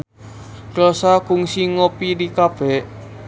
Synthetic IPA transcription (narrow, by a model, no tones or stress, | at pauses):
klɔsakʊŋsiŋopiɾikab̥ɛʔ